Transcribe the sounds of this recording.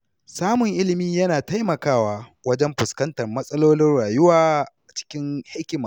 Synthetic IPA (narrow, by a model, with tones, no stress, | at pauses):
saː˦mʊ˨ŋʔɪ˦lɪ˨miː˦jɐ˦naː˨ta˦jmɐ˨kaː˦˨waː˦wɐ˦d͡ʒɛ˦mɸʊ˨skɐ˦ntɐ˨rmɐ˦sʼɐ˦loː˦nɪ˦nɽaː˨jʊ˦waː˦˨ʔa˨t͡ʃɪ̥˦kʲɪ˦ŋha˦kʲɪ˨˦ma˨